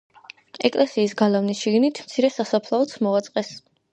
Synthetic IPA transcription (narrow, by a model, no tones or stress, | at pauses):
ɛkʼlɛsiːsɡalavnisʃiɡnit̪ʰmt̪sʰiɾɛsasapʰlˠaɔt̪sʰmɔat̪sʼqʼɛs